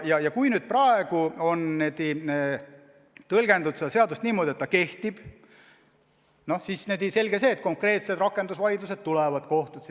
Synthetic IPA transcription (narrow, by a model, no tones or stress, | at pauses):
jɑjɑkujnyːd̪̥̚prɑe̞ɡ̥uo̞nːed̪i | t̪ɤlɡ̥e̞nd̪ud̪̥sed̪ɑse̞ɑd̪ust̪niːmo̞d̪ʲie̞t̪ːɑke̞ht̪ib̥ | no̞hsisned̪ise̞lɡese̞ːt̪̚ko̞ŋkre̞ːt̪se̞d̪rɑkːˑe̞nd̪usvɑjd̪luse̞d̪̥̚t̪ːulɛvɑd̪ko̞ht̪u̥